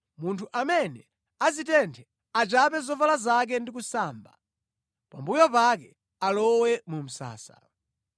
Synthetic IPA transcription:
muntʰuʔamɛnɛ | azitɛntʰɛ | at͡ʃapɛzɔvalazak̬ɛndik̬usaːmba | pa̰mbujɔpakɛ | alɔwɛmum̩sa̰ːsa

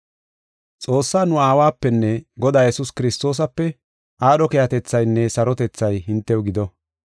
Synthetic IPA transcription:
t͡sʼoːsːaːnʊaːwaːpːɛnːɛɡɔd̪aːjɛsʊskɪɾɪst̪o̞ːs̬ɐpːɛ | ʔaːɗɔkɛjɐt̪ɛt͡sːɐjnːɛsɐɾɔt̪ɛt͡sːɐjɦɪnt̪ːɛwɡɪd̪ɔ

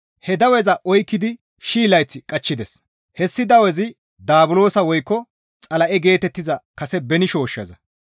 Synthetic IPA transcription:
hɛd̪ɐwɛzɐʔɔjkːɪd̪ɪ | ʃiːlɐjt͡sːɪkʼɐt͡ʃːɪd̪ɛs | hɛsːɪd̪ɐwɛzɪ | d̪aːbʊlo̞ːsɐwɔjkːɔ | t͡sʼɐlɐʔɛɡe̞ːt̪ɛt̪ːɪzɐkɐsɛbɛnɪʃo̞ːʃːɐ̰zɐ

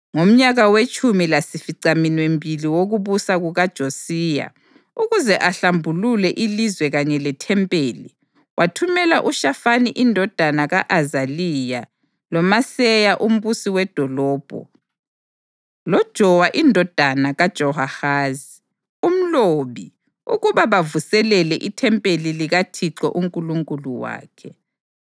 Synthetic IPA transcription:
ŋom̩ɲaɣawet͡ʃʼumilasifiǀaminwembʱiliwoɣuβusaɣuɣad̥ʒ̥ʱosiːja̰ | uɣuzɛʔaɬambʱululɛʔilizwɛɣaɲɛlɛtʰɛmpʼeːli | wʔatʰumɛlaʔuʃafaniʔindʱɔd̥ʱanaɣaʔazalija | lɔmasɛjaʔum̩βusiwɛd̥ʱɔlɔːb̥ʱɔ̰ | lɔd̥ʒ̥ʱɔwaʔindʱɔd̥ʱanaɣad̥ʒ̥ʱɔɦahaːzi | um̩loβi | uɣuβaβavusɛlɛlɛʔitʰɛmpʼeliliɣatʰiǁɔ̰ʔuŋkʼuluŋkʼuluwa̰ːkʰɛ

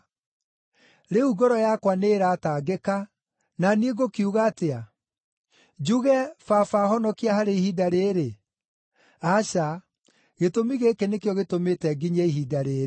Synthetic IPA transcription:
ɾeuɡɔɾɔjakwaneːɾataɡeka | nanieɡokiuɣaːtea | d͡ʒuɣɛfafahɔnɔkiahaɾeihidaɾeːɾe | aɕa | ɣetomiɣekenekjɔɣetometɛɡiɲeiɦidaɾeːɾ

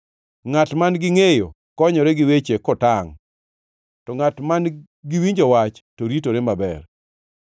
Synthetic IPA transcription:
ŋatmanɡɪŋejo | kɔɲɔɾɛɡɪwet͡ʃekɔtaŋ | tɔŋatman | ɡɪwiɲd͡ʒɔwat͡ʃtoɾitoɾemabɛ̰r

